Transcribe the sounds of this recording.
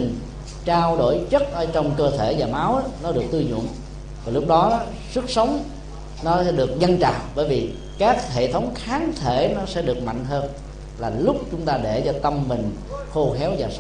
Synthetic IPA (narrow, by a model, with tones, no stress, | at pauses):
ŋ | t͡ɕaː˧wɗo˧˩jt͡ɕə˦˥t̚ʔə˨˦t͡ɕɔ˧wŋ͡mkəː˧t̪ʰe˧˩vaː˨˩ma˨˦wʔa˨˦nɔ˨˦ɗɨ˨˩ək̚t̪ɨ˧zṵ˧˨ən | vaː˨˩lʊ˦˥k͡p̚ɗɔ˨˦ɔ˨˦ | swɨ˦˥k̚sə˨˦wŋ͡m | nɔ˨˦sɛ̰˧˥ɗɨ˨˩ək̚ɲə˧nt͡ɕa̰ː˧˨ŋɓəː˧˩jvi˨˩ | kaː˦˥k̚hḛ˧˨t̪ʰə˨˦wŋ͡mxaː˨˦nt̪ʰe˧˩nɔ˨˦sɛ̰˧˥ɗɨ˨˩ək̚ma̰˧˨jŋ̟ɦəː˧n | laː˨˩lʊ˦˥k͡p̚t͡ɕʊ˦ŋ͡mt̪aː˧ɗe˧˩t͡ɕɔ˧t̪ə˧mmï˨˩ŋ̟ | xo˧xɛ˨˦wzaː˨˩s